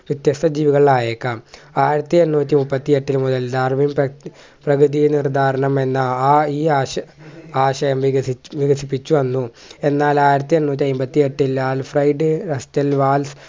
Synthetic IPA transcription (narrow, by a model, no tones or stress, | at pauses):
ʋjit̪jɐst̪ʰɐd͡ʑiːʋiɣɐɭaːjeːkːaːmaːjiɾɐt̪ːienːuːt̪ʲːimupːɐt̪ːieʈːilmud̪ɐld̪aːrmim | prɐɡɾɨðijnird̪ʱaːɾɐɳɐme̞nːɐiːaː | aːɕɐjɐmʋiɐʋiɣɐsipːit͡ɕːuʋɐnːu | e̞nːaːlaːjiɾɐt̪ːienːuːt̪̬ʲːiɐjumbɐt̪ːie̞ʈːilːaːlfrɐjɖɨrɐstɐlʋaːls